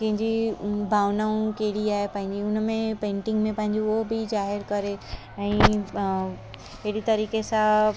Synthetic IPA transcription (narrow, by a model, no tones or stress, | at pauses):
kɐ̃ɦɪ̃ɲd͡ʑibʱaːʋnaːũkeːɽiaːɦepɐ̃ɦɪ̃ɲd͡ʑiʊnmẽpẽːɳʈɪ̃ŋɡmẽpɐ̃ɦɪ̃ɲd͡ʑiobʱizaːɦɪɾkɐɾe | ɛ̃ː | eɦɽit̪ɐɾiːkesã